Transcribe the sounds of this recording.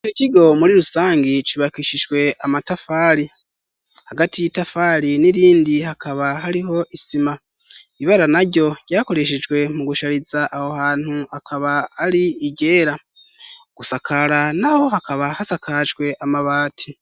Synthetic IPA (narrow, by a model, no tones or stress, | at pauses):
it͡ʃociɡo̞muɾiɾusaːŋɡit͡ʃiβakiʃiʒɡwe̞ʔamatafaːɾi | haɡatijitafaːɾiniɾiːndihakʰaβaɦaɾiɦo̞ʔisima | iβaɾanaɾɟo̞ɟ̥aːko̞ɾe̞ʃ̬ed͡ʒɡwe̞muɡuʃaɾizaʔahohaːn̥huakʰaβahaɾiiɟe̞ːɾa | ɡ̥usakʰaɾanaho̞hakaβahasakʰad͡ʒɡwe̞ʔamaβaːtʰi